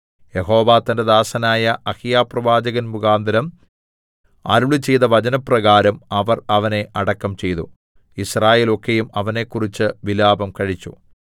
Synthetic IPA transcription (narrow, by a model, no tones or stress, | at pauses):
jeɦo̞ːʋaːt̪ːɐnded̪aːsɐnaːjɐʔɐhijaːprɐʋaːd͡ʑɐɣɐnbuɡaːnd̪ɐɾɐm | ɐ̰ɾuɭit͡ɕe̞jðɐʋɐd͡ʑɐnɐprɐɣaːɾɐmɐʋɐrɐʋɐne̞ʔɐɽɐkːɐmt͡ɕe̞jt̪u | israːje̞ːlo̞kːejumɐʋɐne̞kːurit͡ɕːɨʋilaːbɐmkɐɻit͡ɕːṵ